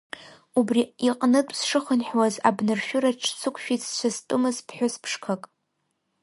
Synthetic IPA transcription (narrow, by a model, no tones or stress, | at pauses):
ubriiqʼnɨtʼsʂɨχənħwaza̰bnɨrʃᶣʊɾaʈ͡ʂʰsʰɨkʷʰʃᶣitʰt͡ʃʷʰastʼɨmɨzpʰħʷᶣʊspʰʂkʰakʼ